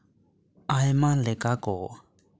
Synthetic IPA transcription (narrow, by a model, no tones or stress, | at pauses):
ajmalɪkʼakɔ